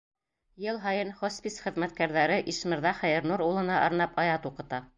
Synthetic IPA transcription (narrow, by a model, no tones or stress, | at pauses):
jɤlˠɦɑjɤnχospʲisχɘ̆ðmæt̪kæɾðæɾɘʔiʃmɤ̆ɾðɑχæjɘ̆ɾnuɾulˠɤ̆nɑʔɑɾnɑpɑjɑt̪uqɤ̆t̪ɑ